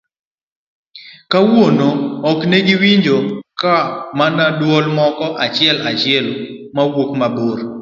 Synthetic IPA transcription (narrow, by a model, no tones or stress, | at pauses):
kawonoɔkneɡɪwiɲd͡ʒokamanadwɔlmɔkɔʔat͡ʃɪɛlat͡ʃɪɛl | mawokmaboɾ